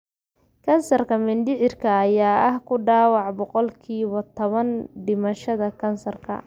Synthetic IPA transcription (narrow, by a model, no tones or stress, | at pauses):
kʰɐnsɐrkʰɐmɪnd̪ɪʕɪrkʰɐːjaːʔɐhkʰʊɖɑːwɑʕbɔqɔlkʰiːβɐt̪ʰɔβɐnɖɪmɐʃɐðɐkʰɐnsɐrkʰɐ̰